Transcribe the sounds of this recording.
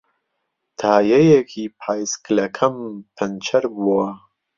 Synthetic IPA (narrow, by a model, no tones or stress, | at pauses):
t̪ʰaːjɐjekʰiːpʰaːjsklɐkʰɐmpʰɐnt͡ʃʰɐɾbuwɐ